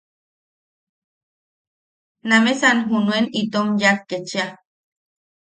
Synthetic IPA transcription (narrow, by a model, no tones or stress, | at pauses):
namesanɦunuenit̪omjakket͡ʃia